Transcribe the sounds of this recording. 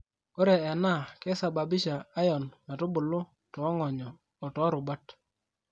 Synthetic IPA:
o˦ɾe˨ɛ˨na˦˨kɛ˦sa˨ba˨bɪ˦ʃa˨a˦jɔ˨nma˨tʊ˦bʊ˨lʊ˦ | tɔ˨˦ŋɔ˨ɲɔː˨ | tɔ˨˦ɾʊ˨ba˦t

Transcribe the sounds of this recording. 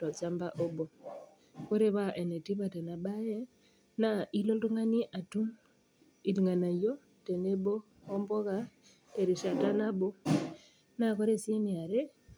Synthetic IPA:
tɔ˨t͡ʃa˦mba˦ʔo˦bo˨ | ko˦ɾe˦βa˦ʔe˨ne˨ti˦βa˨te˨na˨ba˦jɛ˦ | na˦i˦lo˦ltu˦ŋa˦ni˦ʔa˨tu˦m | i˨tŋa˨na˨jo˦ | te˨ne˦bo˦ | ɔ˦mbɔ˦ka˦ | e˨ɾi˨ʃa˨ta˦na˦bo˦ | na˦ko˦ɾe˦˨si˦nɪ˨a˨ɾe˦

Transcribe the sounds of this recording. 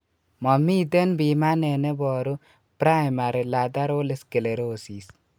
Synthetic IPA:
mɔ˨mi˦d̪e˦nbima˦ne˨ne˦bɔːɾu | pɾa˦jma˨ɾela˨d̪a˦ɾoː˦le˦ske˨le˨ɾoːsiːs

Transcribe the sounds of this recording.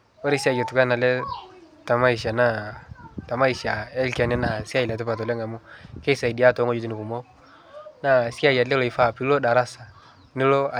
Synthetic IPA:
o˦ɾi˦si˦a˦˨d͡ʒe˨tu˨ka˦na˨lɛ˦ | ta˨ma˦i˨ʃ̬a˨na˦˨ta˨ma˦i˨ʃa˨ɛ˦lka˨nɛ˦na˨si˦a˦i˨a˨tɛ˦pa˨t̬ɔ˨lɛ˦ŋa˨mu˦ke˦sa˨i˨di˨a˦to˨˦ŋo˦d͡ʒu˦t̬u˦ni˨ku˨mo˦ | na˦si˦a˦ja˨lɛ˦lo˨i˨fa˦˨pi˦lo˦da˨ɾa˦sa˨ | nɪ˦lo˦a˨

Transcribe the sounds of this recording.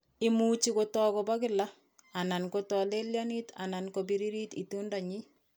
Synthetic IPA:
ɪmu˦t͡ʃi˦kotɔː˦kɔba˦kɪ˦la˦ | a˨na˨nkotɔ˨le˦lja˦ni˦ta̰˨nankobiɾi˦ɾi˦ti˨tunda˨ɲi˦

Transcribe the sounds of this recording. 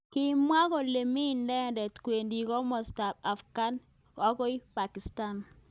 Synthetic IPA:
kɪ˦mwa˦ko˨le˨mi˦ndɛ˦˨ndɛ˨tkwe˨ndi˨kɔ˦mɔ˨sta˨p̚a˨fɡa˦n | ɔ˦ko˦i˦pa˨ki˨sta˦˨n

